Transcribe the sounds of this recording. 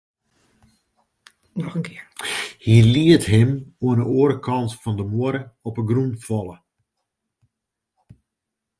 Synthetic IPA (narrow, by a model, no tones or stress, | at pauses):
nɔxənkʰɪhiəliətɦɪmoənəoəɾəkʰɑntfɔndəmoəɾəɔpəɡrunfɔlˠə